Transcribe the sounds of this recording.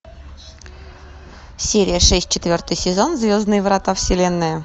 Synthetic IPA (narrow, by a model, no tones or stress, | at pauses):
sʲeɾʲijəʂɛsʲt̚ʲt͡ɕɪt̪ʲvʲort̪ɨjsʲɪzonzvʲozd̪nɨjvɾɑt̪afsʲɪlʲenːəjə